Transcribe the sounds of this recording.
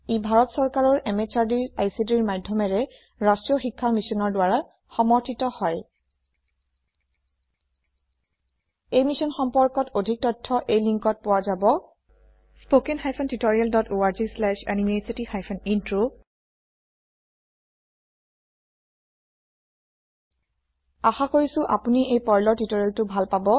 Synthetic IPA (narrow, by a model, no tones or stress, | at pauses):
ibʱaɹɔtsɔɹkaɹɔɹʔɛmet͡ʃaɹdiɹajsidiɹmadʱːɔmɛɹɛ | ɹastɹijɔxikʰːamisɔnɔɹdwaɹa | xɔmɔɹtʰitɔhɔj | ejmisɔnxɔmpɔɹkɔtodʱik̚tɔtʰːɔʔejliŋkɔt̚pʊwazabɔ | spokɛnxajpʰɔntitoɹialdɔtoaɹzislɛʃa̰nimesitixajpʰɔnintɹo | axakoɹisʊ̃ʔa̰puniʔejpɔjlɔɹtitoɹialtʊbʱalpabɔ